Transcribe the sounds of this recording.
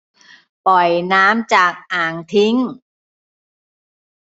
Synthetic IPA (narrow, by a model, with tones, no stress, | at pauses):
pɔ˨˩jnaː˦˥mt͡ɕaː˨˩k̚ʔaː˨˩ŋt̪ʰi˦˥ŋ